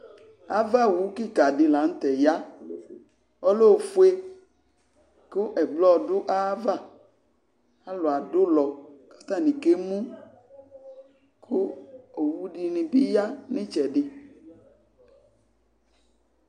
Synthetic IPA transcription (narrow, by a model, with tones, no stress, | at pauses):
a˦va˦˨wu˨˦ki˦˨ka˨ɖɪ˨la˨˦ŋ̩˦t̪ɛ˨ja˦ | o˦lo˦˨fu˦e˦ | ko˦ʔɛ˨ɡ͡blɔ˦˨ɖʊ˦ʔa˦va˦˨ | a˦lo˨a˨dʊ˦lɔ˨kḁ˦t̪a˦˨nĩ˨ke˦mũ˦ | kʰo˦o˨wu˦ɖi˨nĩ˨bi˦ja˦nɪ̃˦t͡ʃɛ˨ɖɪ˨